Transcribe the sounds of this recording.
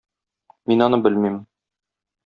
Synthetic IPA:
minɒnɤbɘlmim

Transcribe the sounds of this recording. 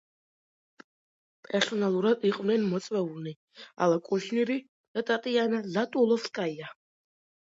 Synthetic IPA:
pʼɛɾsɔnalˠuɾad̪iqʼvnɛnmɔt̪sʼwɛulni | a̰lakʼuʃniɾi | d̪̥at̪ʼat̪ʼianazat̪ʼulˠɔfskʼaia

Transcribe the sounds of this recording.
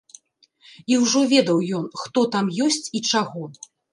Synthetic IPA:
iwʐɔvʲɛd̪ɐwjɔnxt̪ɔt̪amjɔsʲt͡sʲit͡ʂaɣɔ

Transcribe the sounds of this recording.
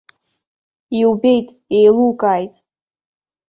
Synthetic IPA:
iwbe̞jtʼ | ejlukʼajtʼ

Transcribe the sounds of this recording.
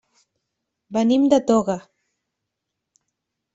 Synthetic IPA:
banimd̪at̪oɣɑ

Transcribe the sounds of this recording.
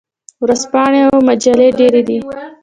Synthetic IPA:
wɾazpɑɳeawmad͡ʒaleɖeɾed̪i

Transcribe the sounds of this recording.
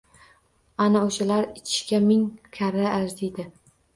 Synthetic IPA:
anaoʃalaɾɪt͡ʃʰɪ̥ʃkʲamɪŋkʲʰaɾaazd̪ed̪ɪ

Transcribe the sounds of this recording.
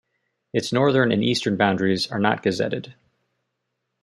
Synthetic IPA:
ɨtsnɔɹðə̃˞nɨ̰̃nistə˞nbãʊ̃ndɹizə˞nə̰t̚ɡ̥ɨzɛ̰ɾɨd̥

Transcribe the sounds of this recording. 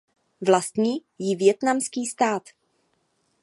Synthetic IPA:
vlast̪ɲiː | jɪvjɛt̪namskiːst̪aːt̪

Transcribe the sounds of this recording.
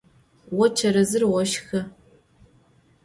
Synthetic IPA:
wɔt͡ʃʰɐɾɐzɨrwɔʃxɐ

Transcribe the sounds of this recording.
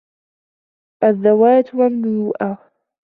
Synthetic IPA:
ʔaðːawaːt̪wamnuuːʔa

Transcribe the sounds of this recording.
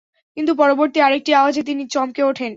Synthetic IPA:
kint̪upɔɾoboɾt̪iaɾek̚ʈiaoad͡ʑet̪̬init͡ɕɔmkeoʈʰen

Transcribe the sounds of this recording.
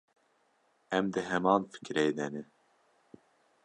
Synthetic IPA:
ɛmd̪ɨɦɛmɑːnfɨ̥kɾejd̪ɛnɨ

